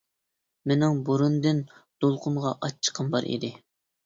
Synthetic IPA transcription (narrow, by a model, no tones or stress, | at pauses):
menɪŋbuɾund̪ɨnd̪̥olˠqʰʊmʁɑʔɑt͡ʃʰːə̥qʰəmbɑɾʔḭd̪ɪ